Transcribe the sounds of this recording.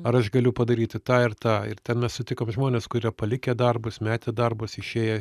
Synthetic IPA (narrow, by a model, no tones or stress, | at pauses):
ɐɾɐʃɡɐlʲʊpɐd̪ɐɾʲiːt̪ʲɪt̪ɑːɪɾt̪ɑːɪ̰ɾt̪ʲɛnmʲɛssʊt̪ʲɪkoːmʒmoːnʲeːskʊɾʲiɛpɐlʲɪkʲed̪ɐrbʊsmʲæːt̪ʲed̪ɐrbʊsɪʃʲeːjɛ